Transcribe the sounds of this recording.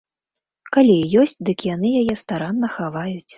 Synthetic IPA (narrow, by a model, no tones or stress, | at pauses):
kalʲijɔsʲt͡sʲd̪ɨkjanɨjajɛst̪aɾanːɐxavajut͡sʲ